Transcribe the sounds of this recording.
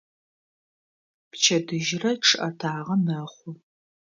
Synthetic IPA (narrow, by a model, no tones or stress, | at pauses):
pt͡ʃʰɐdɨʒrɐʈ͡ʂʰɨʔɐtʰaːʁɐmɐχʷʊ